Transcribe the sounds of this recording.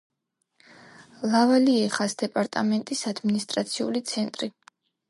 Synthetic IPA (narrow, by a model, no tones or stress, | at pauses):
lˠavaliɛχasd̪ɛpʼaɾt̪ʼamɛnt̪ʼisad̪minist̪ʼɾat̪sʰiṵlit̪sʰɛnt̪ʼɾi